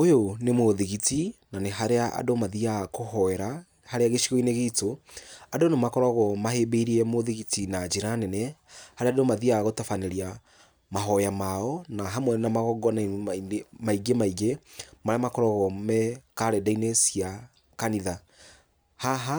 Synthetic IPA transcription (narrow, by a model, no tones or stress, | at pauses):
ojonemoðiɣitinaneɦaɾeaʔa̰domaðiakohɔɛɾa | haɾeaɣeʃiɣɔineɣeitoadonemakɔɾɔɣɔmahebeiɾiɛmoðiɣitinad͡ʒiɾanɛnɛhaɾeadomaðiaɣotafaneɾia | maɦɔjamaɔnaɦamwɛnnamaɣɔɡɔniainemaiɡemaiɡemaɾeamakɔɾɔɣɔmɛkaɾɛdainesia | kaniða | haɦa